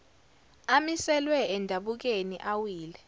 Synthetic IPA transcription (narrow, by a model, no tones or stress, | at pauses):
amisɛlwɛɛndʱaɓuk̬enḭʔawiːlɛ